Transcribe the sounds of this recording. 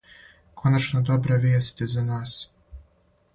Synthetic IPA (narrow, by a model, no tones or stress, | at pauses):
kʰo̞nat͡ʃnod̪o̞bɾaʋʲjeːst̪ʲezanaːs